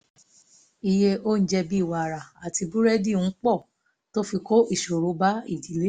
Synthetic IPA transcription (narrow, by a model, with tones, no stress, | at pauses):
i˧je˧ʔo˦n̩˦d͡ʒɛ˧bi˦˨wa˧˨ɾa˨a˨ti˧bu˦ɾɛ˦di˦˨ñ̩˦k͡pɔ˦˨ | to˦fi˧ko˦ʔi˦˨ʃo˨ɾo˨˧˦ba˦ḭ˦˨di˨˦le˦